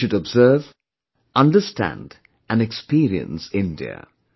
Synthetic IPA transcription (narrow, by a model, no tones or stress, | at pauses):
ɨdəbzɜ˞v | ʔʌ̃ndəstʰæ̰̃nd | ɨ̃nɨkspiɹiɨ̰̃nsɪ̃ndḭə̰